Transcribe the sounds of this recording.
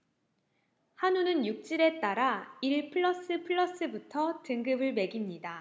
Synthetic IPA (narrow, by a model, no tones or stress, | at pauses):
hanunɯnjuk̚t͡ɕ͈iɾe̞t͈aɾaiɭpʰɯɭːʌs͈ɯpʰɯɭːʌs͈ɯbutʰʌtɯŋɡɯbɯɭme̞ɡimɲida